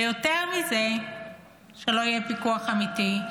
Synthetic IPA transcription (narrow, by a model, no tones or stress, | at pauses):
joteʁmize | ʃelo̞ijepikuaχamiti